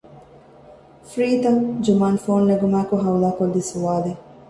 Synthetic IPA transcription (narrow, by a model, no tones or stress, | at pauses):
fɾiːd̪ɐŋd͡ʒumaːnfoːnːeɡumæːkoɦɐwulaːkolːisuʋaːle